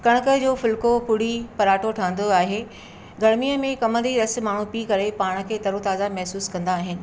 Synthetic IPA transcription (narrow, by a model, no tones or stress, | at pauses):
kɐɽ̃əkəd͡ʑoːfʊlkopʊɽ̤ipɐɾaːʈʰoʈʰaːənd̪oaːɦe | ɡɐɽmijəmẽkɐmə̃nd̪iɾɐs̆maːɳ̤ũpiːkɐɾepaːɽ̃ə̆kʰeːt̪ɐɾot̪aːzamɐɦsuːskɐ̃nd̪aːɦɪnɪ̆